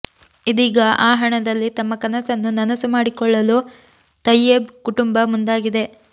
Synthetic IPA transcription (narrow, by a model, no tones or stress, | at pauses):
id̪iːɡɐʔaːɦɐɳɐd̪ɐlːit̪ɐmːɐkɐnɐsɐnːunɐnɐsumaːɽikɔɭːɐluː | t̪ɐjːebkuʈumbɐmund̪aːɡid̪e̞